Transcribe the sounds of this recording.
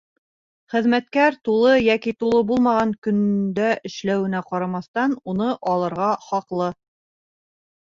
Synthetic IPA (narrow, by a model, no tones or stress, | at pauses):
χɘ̆ðmæt̪kæɾt̪ulˠɤjækit̪ulˠɤbulˠmɑʁɑŋkɵ̆nd̪æʔɘ̆ʃlæwɘ̆næqɑɾɑmɑθt̪ɑnunɤʔɑlˠɤ̆ɾʁɑχɑqlˠɤ